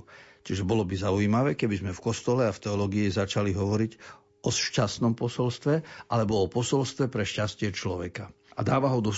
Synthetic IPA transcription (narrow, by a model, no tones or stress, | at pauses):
t͡ʃiʒɛbɔlɔbizauiːmaʋɛːkɛbizmɛfkɔst̪ɔlɛaft̪ɛɔlɔːɡiizat͡ʃaliɦɔʋɔɾiɟ | ɔʃcast̪nɔmpɔsɔlst̪ʋɛʔalɛbɔɔpɔsɔlst̪ʋɛpɾɛʃcascɪɛt͡ʃlɔʋɛka | a̰d̪aːʋaɦɔd̪ɔ